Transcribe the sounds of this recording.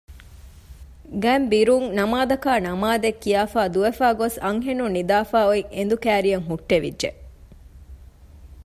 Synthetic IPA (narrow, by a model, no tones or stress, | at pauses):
ɡæmbiɾuŋnɐmaːd̪ɐkaːnɐmaːd̪ekːijaːfaːd̪uʋefaːɡosɐŋɦenunːid̪aːfaːoiŋʔend̪ukæːɾijɐŋɦuʈːeʋḭdʒe